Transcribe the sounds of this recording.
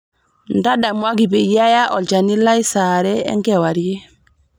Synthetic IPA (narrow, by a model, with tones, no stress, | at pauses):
nda˦da˨mwa˦ɡi˨be˨ja˦ja˦ʔɔ˨ld͡ʒa˨ni˦la˦i˦saɾɛ˦ɛ̰˦ŋɡɛwa˨ɾje˦